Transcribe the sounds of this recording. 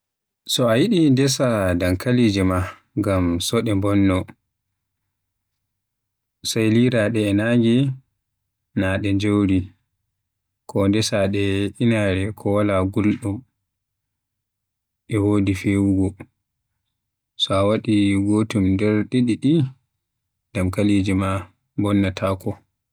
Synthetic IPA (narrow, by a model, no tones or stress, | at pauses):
sɔajiɗindɛsadaŋkalid͡ʒɛma | ŋɡamsɔɗɛmbɔnːɔ | sajliɾaɗɛːnaŋɡɛ | naɗɛɲd͡ʒowɾi | kʰɔndɛsaɗɛʔinaɾɛkʰɔwalaɡulɗɔm | ʔɛwoːdifewuɡɔ | sɔawaɗiɡotumdɛɾɗeɗiɗi | ɡamkalid͡ʒima | mbɔnːɔtʰaːkɔ